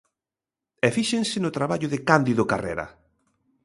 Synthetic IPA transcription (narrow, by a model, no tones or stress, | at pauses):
ɛfiʃeŋsɪnʊt̪ɾaβaʎʊðɪkand̪iðʊkarɛ̰ɾɐ̰